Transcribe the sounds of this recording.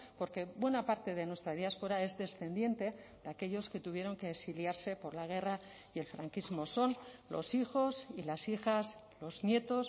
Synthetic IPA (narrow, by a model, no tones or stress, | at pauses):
po̞ɾke̞bwe̞napaɾt̪e̞ðe̞nwe̞st̪ɾað̞jaspo̞ɾae̞zðe̞sθe̞nd̪je̞nt̪e̞ | ðeake̞ʎo̞ske̞t̪uβje̞ɾo̞ŋkeːksiljaɾse̞po̞ɾlaɣ̞e̞ra | jelfɾaŋkizmo̞so̞nlo̞̰sixo̞silasixas | lo̞znje̞t̪o̞s